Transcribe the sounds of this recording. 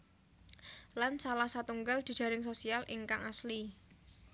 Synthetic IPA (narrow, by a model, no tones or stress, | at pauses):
lansalahsat̪uŋɡald̪̥i̤d̥d͡ʒ̥a̤ɾɪŋsosialʔɪ̰ŋkaŋasli